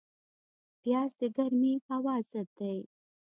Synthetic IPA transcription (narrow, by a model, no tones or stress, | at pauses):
pjɑsd̪əɡaɾmifawɑzad̪aj